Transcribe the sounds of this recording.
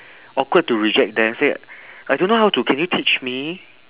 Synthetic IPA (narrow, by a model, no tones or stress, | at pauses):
ɔkwəd̚tːuɹid͡ʒɛk̚dɛ̃mseajdõnːoɦaʊtukʰɛ̃njutʰit͡ʃmi